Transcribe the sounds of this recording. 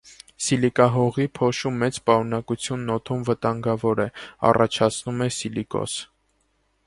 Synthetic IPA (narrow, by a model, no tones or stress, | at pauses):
silikɑɦɔʁipʰɔʃumːɛt͡spɑɾunɑkut͡sʰjunːɔt̪ʰumvət̪ɑŋɡɑvɔɾɛɑ̰rɑt͡ʃʰɑt͡sʰnumɛsilikɔ̰s